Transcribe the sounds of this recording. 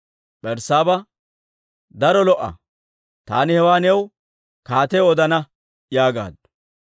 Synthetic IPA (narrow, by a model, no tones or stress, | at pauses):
ɓɛɾsaːbɐ | d̪ɐɾɔlɔʔːɐ̰ | t̪aːnɪhɛwaːnɛw | kaːt̪ɛɔd̪ɐnɐ | jaːɡa̰ːd̪ʊ̥